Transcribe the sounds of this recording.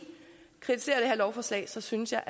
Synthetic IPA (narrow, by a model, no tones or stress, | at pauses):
kʰʁit͡sʰise̝̰ːɐɾ̥ehæɐlɒʊfɒːslɛ̰ɪsɒ̽synəsjɑ̈ɪʔæ